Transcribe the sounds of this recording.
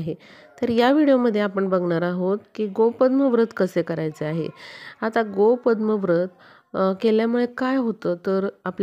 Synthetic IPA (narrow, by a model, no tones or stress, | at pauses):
ɦe | t̪əɾjaʋiɽijoməd̪ʱːjeapəɳbəɡɳaɾaɦot̪kiːɡopəd̪məʋɾət̪kəsekəɾajt͡seaɦḛat̪aɡopəd̪məʋɾət̪ | keljamuɭekajɦot̪ət̪əɾapl